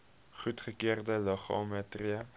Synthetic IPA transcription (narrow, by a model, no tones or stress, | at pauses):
χutχəkeːrdəloχomɛtria